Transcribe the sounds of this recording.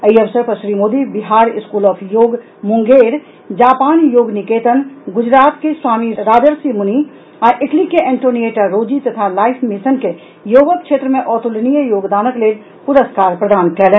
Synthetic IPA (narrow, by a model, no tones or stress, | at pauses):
əiɐʋsəɾpəʃɾiːmoːd̪ibɪɦaːɾɪskuːlɔːpʰjoːɡ | mʊ̃ŋɡeːɾ | d͡ʒaːpaːnjoːɡnɪkeːt̪ənɡʊd͡ʒɾaːt̪keswaːmiɾaːd͡ʒəɾsimʊni | ɔːɾʔɪʈlikeʔɳʈoːnijeːʈaɾoːd͡ʒit̪ɐt̪ʰalaːɪpʰmɪsənke | joːʋəkʰʃeːt̪ɾəmẽʔɔːt̪ulnijəjoːɡd̪aːnəkleːl | pʊɾəskaːɾpɾəd̪aːnkɛleː